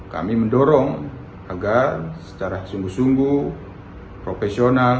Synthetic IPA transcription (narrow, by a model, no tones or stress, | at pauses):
ka̰miməndɔɾɔŋ | aɡarsə̥t͡ʃaɾasuŋɡusuŋɡu | pɾofɛsional